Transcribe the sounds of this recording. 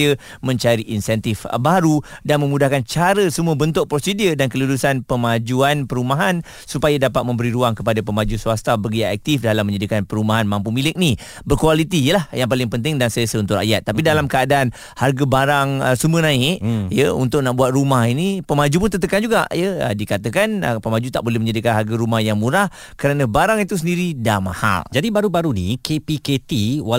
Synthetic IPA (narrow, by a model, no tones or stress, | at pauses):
ə | mə̃ɲt͡ʃaɾiʔinsɛnt̪ifbaɾudanmə̃mudahkant͡ʃaɾəsəmũəbənt̪ʊʔ̚pɾosidiədankəluɾusanpəmad͡ʒuanpəɾumãɦan | supajadapat̪̚mə̃mbəɾiɾuaŋkəpadapəmad͡ʒusuast̪abəɡiaʔɛk̚t̪ifdalamːə̃ɲd͡ʒadikanpəɾumaɦanmãmpumilɪk̚ni | bərkualit̪ijəlahjaŋp̬alɪŋpənt̪ɪŋdansəjəsəunt̪ʊʔra̰ʔjat̪ːapidalamkəadaːn | harɡabaɾaŋəsumənãɪʔjəṵnt̪ʊk̚naʔbuat̪̚rumahinipəmad͡ʒup̬ʊnt̪ət̪̬əkand͡ʒuɡa̰ʔjəə̰dikat̪əkanəpəmad͡ʒut̪a̰ʔ̚bolɛhmə̃ɲadikanɦarɡaɾumahjaŋmuɾah | kəɾanə̃baɾaŋit̪usəndiɾidama̰ha̰ld͡ʒadibaɾubaɾunḭkepiket̪iwa